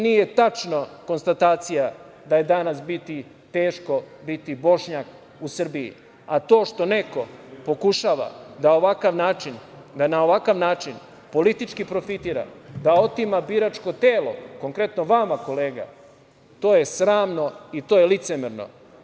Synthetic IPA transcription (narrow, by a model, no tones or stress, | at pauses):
nije̞t̪at͡ʃnoko̞nst̪at̪aːt̪sija | d̪aje̞d̪anasbit̪i | t̪e̞ːʃko̞bit̪ibo̞ʃɲak | usr̩biḭ | at̪o̞ːʃt̪o̞ne̞ko̞po̞kuʃaːʋa̰d̪ao̞ʋakaʋnaːt͡ʃin | d̪anao̞ʋakaʋnaːt͡ʃin | po̞lit̪it͡ʃkipɾo̞fit̪iːɾa̰d̪ao̞t̪imabiɾat͡ʃko̞t̪e̞ːlo̞̰ko̞ŋkɾe̞t̪no̞ʋamako̞le̞ːɡa̰ | t̪o̞ːjesɾaːmno̞it̪o̞ːjelit̪semeɾno̰